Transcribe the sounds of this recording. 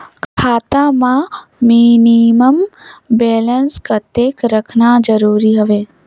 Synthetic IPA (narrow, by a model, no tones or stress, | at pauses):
kʰkʰaːt̪amãminiməmbeːlənskət̪eːkɾəkʰnad͡ʒəɾuːɾiɦəʋeː